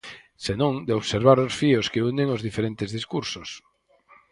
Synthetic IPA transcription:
senõŋd̪eoβseɾβaɾosfioskeuneŋozðifeɾent̪ezðiskuɾsos

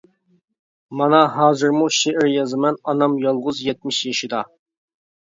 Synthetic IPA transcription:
mɑnɑɦɑːzɨɾmuʃeʔɪɾjɑzɨmɛnɑnɑmjɑlˠʁʊzjɛt̪̚mɪʃjɑʃid̪ɑ

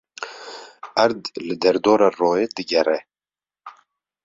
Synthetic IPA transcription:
ʔæɾd̪lɨd̪ɛɾd̪oːɾɑːroːjeːd̪ɨɡɛɾɛ

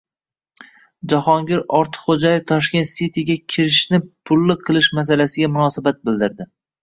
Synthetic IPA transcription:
d͡ʒaχɒŋɡʲɪɾɒɾt̪ʰɨ̥qχod͡ʒajɪft̪ʰɒʃkʲe̞nt̪sit̪ʰiɡʲakʲʰɪɾɪʃnɪpʰʊlːɪqʰɨlˠɪʃmas̬alasɪɡʲamʊnɒsabat̪̚bɪld̪ɪɾd̪ɪ

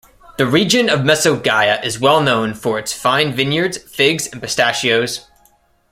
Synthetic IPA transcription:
ðɨɹid͡ʒɨ̃nʌvmɛsoʊɡaɪɨʔɨzwɛlˠnõʊ̃nfə˞ɨtsfãɪ̃nvɪ̃njə˞dz̥fɪɡzɨ̃npɨstæʃioʊz̥

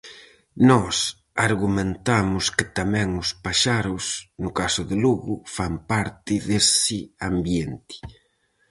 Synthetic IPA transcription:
nɔs | aɾɣumẽnt̪amʊskɪt̪amɛ̃ŋʊspaʃaɾʊsnʊkasʊðɪluɣʊfampaɾt̪ɪðesɪambjent̪ɪ̥

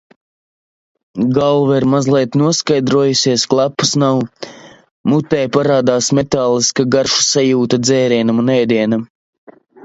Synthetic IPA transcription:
ɡalˠvɛɾmazlˠiɛt̪nuɔskajd̪ɾuɔjusʲiɛsklˠapːu̥snaw | mut̪ːɛjpaɾaːd̪aːsmɛt̪aːlˠiskaɡaɾʃu̥sajuːt̪ad̪zɛːɾiɛnamunɛjd̪iɛnam

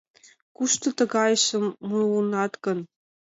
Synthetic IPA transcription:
kuʃt̪ɤ̆t̪ɤ̆ɡɑjʃɤ̆mːuunɑt̪kɤ̆n

